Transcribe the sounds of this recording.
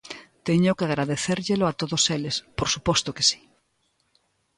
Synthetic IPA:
t̪eɲʊkeaɣɾaðeθeɾʎeloat̪oðoselespoɾsupɔst̪oke̥si̥

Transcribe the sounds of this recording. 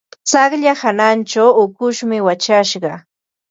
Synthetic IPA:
t͡sɑχʎahanant͡ʃawʊkʊʃmɪwat͡ʃaʃɢɑ

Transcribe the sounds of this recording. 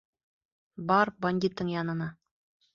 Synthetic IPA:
bɑɾbɐnʲd̪ʲit̪ːɤɴjɑnɤ̆nɑ

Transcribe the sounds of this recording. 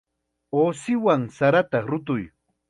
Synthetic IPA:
oːsɪwaŋsaɾat̪ɑɾʊt̪ʊj

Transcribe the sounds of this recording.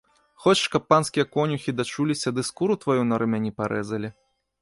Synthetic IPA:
xɔt͡ʃʂkɐpːanskʲijɐkɔnʲuxʲid̪at͡ʂulʲisʲɐd̪ɨskuɾut̪vajunɐɾɨmʲanʲipaɾʔɛzɐlʲi

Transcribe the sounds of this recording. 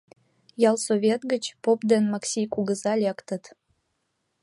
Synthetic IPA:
jɑlˠsoβʲet̪ɡət͡ɕpopd̪enmɑksʲijkuɣəzɑlʲekt̪ət̪

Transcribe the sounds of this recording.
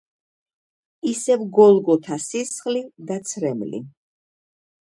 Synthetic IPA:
isɛvɡɔlˠɡɔt̪ʰasisχlid̪at̪sʰɾɛmlḭ

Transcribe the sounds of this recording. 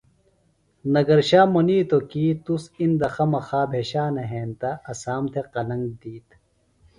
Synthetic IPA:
nɐɡɐɾɕaːmoniːt̪okiːt̪usind̪ɐxɐmɐxaːbʱeːɕaːnɐɦeːnt̪aɐsaːmt̪ʰeqɐlɐŋɡ̚d̪iːt̪

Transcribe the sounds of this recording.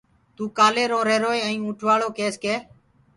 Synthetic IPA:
t̪uːkaːleːɾõːɾeːɾoːeːə̃ĩːũːʈʰʋaːɭoːkeːskeː

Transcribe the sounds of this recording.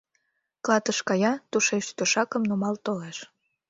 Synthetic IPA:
klɑt̪əʃkɑjɑt̪uʃeʃt̪əʃɑkəmnumɑlt̪oleʃ

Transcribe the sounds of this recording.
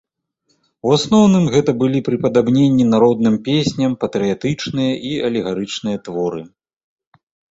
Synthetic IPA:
wasnɔwnɨmɣɛt̪ɐbɨlʲipɾɨpɐd̪abnʲenʲːinaɾɔd̪nɨmpʲesʲnʲɐmpɐt̪ɾɨjat̪ɨt͡ʂnɨjɐʔiɐlʲɛɣaɾɨt͡ʂnɨjɐt̪vɔɾɨ

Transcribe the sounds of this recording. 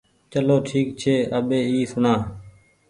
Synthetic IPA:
t͡ʃəloːʈʰiːk̚t͡ʃʰeːəɓeːiːsʊɳãː

